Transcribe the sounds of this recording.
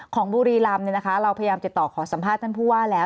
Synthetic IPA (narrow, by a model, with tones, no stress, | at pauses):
kʰɔː˩˦ŋbuː˧ɾiː˧la˧mni˧˩na˦˥kʰa˦˥ɾa˧wpʰa˧ja˧jaː˧mi˨˩t̪ːɔː˨˩kʰɔː˩˦sa˩˦mʰpʰaː˥˩t̪ʰːa˥˩npʰuː˥˩waː˥˩lɛː˦˥